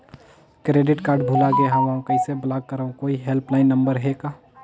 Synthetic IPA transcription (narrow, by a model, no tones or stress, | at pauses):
kɾeːɖɪʈkaːɾɖbʱuːlaɡeɦãʋɐɦãkɐɪseblaːɡ̚kəɾəõkoːiɦelplaːɪnːə̃mbəɾɦekaː